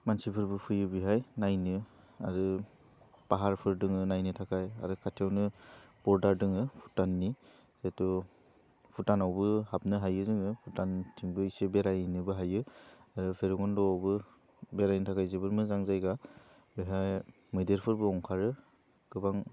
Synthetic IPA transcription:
mansipʰɯɾbɯpʰɯjɯbiɦajnajnɯ | a̰ɾɯ | paɦaɾpʰɯɾdɯŋɯnajnɯtʰakʰaja̰ɾɯkʰatʰijawnɯb̥ɔɾdaɾdɯŋɯpʰutanːi | z̥etɔ | pʰutanawbɯhap̚nɯɦajɯzɯŋɯpʰutantʰiŋbɯisebeɾajnɯbɯɦajɯaɾɯpʰeɾɔɡɔndɔawbɯ | beɾajnɯtʰakʰajzebɯɾmɯzaŋzajɡa | biɦaj | mɯjdeɾpʰɯɾbɯɔŋkʰaɾɯ | ɡ̥ɯbaŋ

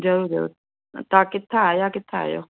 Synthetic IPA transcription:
d͡ʒəod͡ʒə̰ | t̪akɪt̪ʰːaajaːkɪt̪ʰːaa̰jo̰

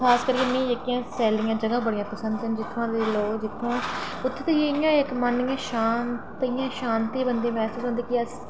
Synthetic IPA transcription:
kʰaːskəɾkemĩːekːɪjãːsɛːlɪːjãːd͡ʒəɡãːbəɽɪjãːpəsə̃nd̪ẽd͡ʒɪt̪ʰːãːd̪eːloːkd͡ʒɪt̪ʰːõː | ʊt̪ʰːet̪ejeɪjãːɪkmənɪjãːʃaːnt̪əijãːʃaːnt̪iːbənd̪ẽːmɛ̃ːsɪd͡ʒõnd̪eːkiəs

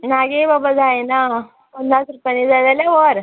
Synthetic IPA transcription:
naɡebabad͡zajna | pənasɾupanid͡zalaljaʋəɾ

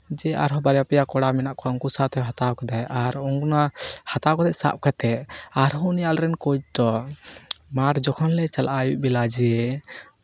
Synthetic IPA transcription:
d͡ʒɛʔa̰ɾɦɔbaɾjapɛjakɔɽamɛnaʔkɔɔŋkusat̪ɛɦat̪awkad̪ajʔaɾɔŋkunahat̪awkɔd̪aʔsa̰p̚kɛt̪ɛaɾɦɔnɛjalɾɛnkɔd͡ʒd̪ɔ | maʈd͡ʒɔkʰɔnlɛt͡ʃalʔajuʔbɛlad͡ʒɛ

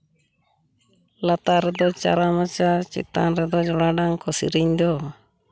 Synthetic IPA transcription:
lat̪aɾɛd̪ɔt͡ʃa̰ɾamat͡ʃat͡ʃḭt̪a̰nɾɛd̪ɔd͡ʒɔɽaɖaŋkɔsḭɾiɲd̪ɔ

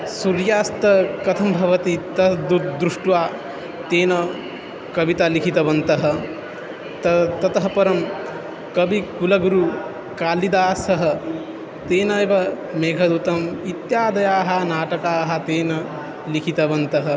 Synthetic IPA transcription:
suɾjaːst̪ɐkɐt̪ʰɐmbʱɐʋɐt̪it̪ɐd̪ut̪̚d̪ɾuʂʈʋaː | t̪eːnɐ | kɐʋit̪aːlikʰit̪ɐbɐnt̪ɐɦɐ̆ | t̪ɐt̪ɐt̪ɐɦɐpɐɾɐm | kɐbikulɐɡuɾu | kaːlid̪aːsɐɦɐ̆ | t̪eːnɐjʋɐ | meːɡʱɐd̪ut̪ɐmit̪jaːd̪ɐjaːɦɐnaːʈɐkaːɦɐt̪eːnɐ | likʰit̪ɐbɐnt̪ɐɦɐ̆

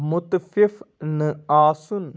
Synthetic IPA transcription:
mʊt̪fifnɨaːsun

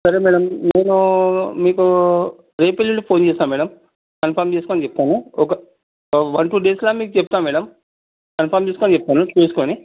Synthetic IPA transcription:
sɐɾeːmɛːɽɐmːeːnumiːku | ɾeːpelilupʰoːnt͡ʃeːsaːnmɛːɽɐm | kɐnpʰɐɾmt͡ʃeːsukoːnit͡ʃɛp̪ːaːnuɔkɐ | ʋɐnʈuːɖeːslaːmiːkut͡ʃɛput̪aːmɛːɽɐm | kɐnpʰɐːɾmt͡ʃeːsukoːnt͡ʃɛp̚ːt̪aːnut͡ʃuesukoːni

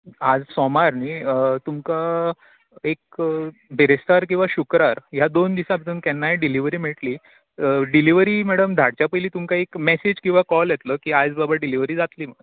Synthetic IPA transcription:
ad͡zsɔmaɾnit̪umka | ek̚bʱeɾest̪aɾk̬ĩw̃ʋaɕukɾaɾɦjad̪ond̪isabʱət̪uːnkɛnːajeɖiliʋɾiːmiɭʈliː | ɖiliʋɾiːmɛɽəmd̪ʱaɽt͡ɕjapəjliːt̪umkaekmɛsed͡ʑkĩw̃ʋakɔljɛt̪ləːkiːad͡zbabəɾɖiliʋəɾiːd͡zat̪liːməɽə

